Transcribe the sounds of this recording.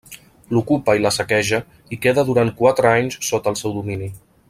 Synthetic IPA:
lukupəiləsəkɛʒə | ikeðəðuɾant̪̚kwat̪ɾəaɲssot̪əlˠsɛwðumini

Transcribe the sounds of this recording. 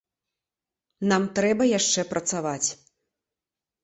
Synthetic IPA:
namt̪ɾɛbɐjaʂt͡ʂɛpɾʔɐt̪savat͡sʲ

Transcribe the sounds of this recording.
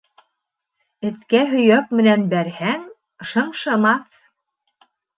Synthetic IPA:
ɘ̆t̪kæɦɵ̆jæk̚mɘ̆nænbæɾhæŋ | ʃɤ̆ɴʃɤ̆mɑθ

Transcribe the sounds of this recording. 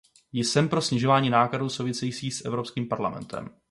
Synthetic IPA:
jɪsɛmpɾo̞sɲɪʒo̞vaːɲiːnaːkladuːsowvɪsɛjiːt͡siːsʔɛvɾo̞pskiːmpaɾla̰mɛ̰nt̪ʰɛ̰m

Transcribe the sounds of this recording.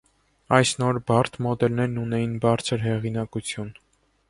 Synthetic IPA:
ɑjsnɔɾbɑrt̪ʰmɔd̪ɛlnɛɾnunɛjinbɑɾt͡sʰəɾɦɛʁinɑkut͡sʰjun

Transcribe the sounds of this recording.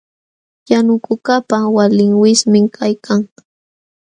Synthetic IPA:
janʊkʊkapawalɪŋwɪsmɪŋkʰajkʰaŋ

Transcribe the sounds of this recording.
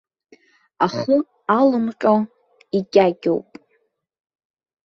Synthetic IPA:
aχu | alɨmqʲʼo | iɡʲʼaɡʲo̰wpʼ

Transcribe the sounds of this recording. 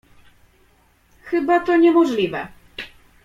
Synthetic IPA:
xɘbat̪ɔɲɛmɔʐlʲivɛ̰

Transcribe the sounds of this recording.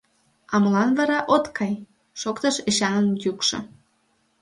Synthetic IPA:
ɑməlɑnβɑɾɑʔot̪kʰɑj | ʃokt̪əʃeɕɑnənjukʃŏ̰

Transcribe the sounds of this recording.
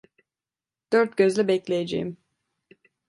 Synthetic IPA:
d̪̥øɾt̪̚ɟøzlʲɛbɛclʲejed͡ʒejim

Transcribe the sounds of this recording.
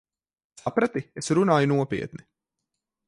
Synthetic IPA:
sapɾat̪iesɾunaːjunuɔpḭɛt̪ni

